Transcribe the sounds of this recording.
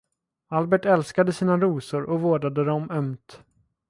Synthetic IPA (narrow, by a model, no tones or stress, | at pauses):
albɛʈɛlskad̪əsiːnaɾuːsʊɾʔɔvoːɖad̪əd̪ɔmœmt̪